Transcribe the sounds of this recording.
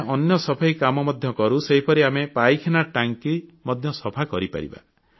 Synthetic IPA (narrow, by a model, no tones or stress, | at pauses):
ʔɔnjɔsɔbʰʱaikamɔmɔd̪ʱjɔkɔɾuseɦipʰɔɾiamepajkʰenaʈaŋkimɔd̪ʱjɔsɔbʰʱakɔɾipa̰ɾḭba̰